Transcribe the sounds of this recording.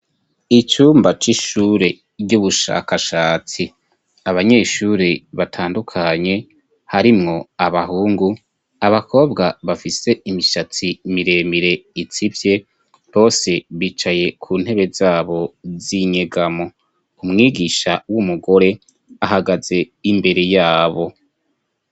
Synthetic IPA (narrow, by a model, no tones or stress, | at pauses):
it͡ʃuːmbat͡ʃiʃuːɾe̞ | ɟuβuʃa̰ːkaʃaːt͡si | aβaɲe̞ːʃuːɾiβatʰaːndukʰaɲe̞ | haɾimŋo̞aβaɦuːŋɡu | aβako̞ːbɡaβafise̞imiʃat͡simiɾe̞ːmiɾe̞it͡sivje̞ | βo̞ːse̞βiːt͡ʃaje̞kʰuːn̥he̞βe̞zaːβo̞ziɲe̞ɡamo̞ | umŋiːɡiʃawumuɡo̞ɾe̞ | aɦaɡaz̥e̞ | imbe̞ɾe̞jaːβo̞